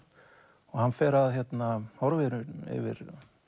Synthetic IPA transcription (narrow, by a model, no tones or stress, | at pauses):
ɔɣhanːfɛːɾaðçjɛt̪nahɔɾvɪɾʏɪ̰vɪ̰ɾ̥